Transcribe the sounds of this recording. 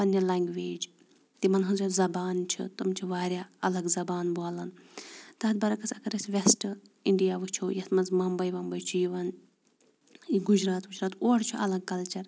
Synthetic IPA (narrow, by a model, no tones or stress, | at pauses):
pɐnjɐlaŋɡʋeːd͡ʒ | t̪imɐnɦɐnzɐzɐbaːnt͡ʃʰḭt̪ɨmt͡ʃʰiʋaːɾʲjaːɐlɐɡzɐbaːnbalɐnt̪aːd̪bɐɾɐkɐsʲɐkɐɾɐsʲʋʲesʈ | iɳɖijaːʋɨt͡ʃʰoːjɐsmɐnzmɐmbɐjʋɐmbɐjt͡ʃʰujiʋɐn | iɡud͡ʒɾaːt̪ɡud͡ʒɾaːt̪oːɽt͡ʃʰuʔɐlɐɡ̚kɐlt͡ʃɐɾ